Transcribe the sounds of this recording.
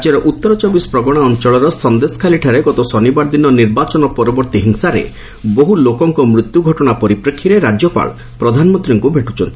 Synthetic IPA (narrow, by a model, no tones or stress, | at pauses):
d͡ʒeɾɔʔut̪ːɔɾɔt͡ʃɔbispɾɔɡɔɽ̃aɔnt͡ʃɔɭɔɾɔsɔnd̪esɔ̥kʰaliʈʰaɾeɡɔt̪ɔsɔnibaɾd̪inːɔniɾbat͡ʃɔnɔpɔɾɔbɔɾt̪iɦiŋsaɾḛ | boɦulokɔŋkɔmɾut̪juɡʱɔʈɔɽ̃apɔɾipɾekʰːiɾeɾad͡ʒɔpa̰l | pɾɔd̪ʱanmɔnt̪ɾiŋkubʱeʈut͡ʃʰɔnt̪i̥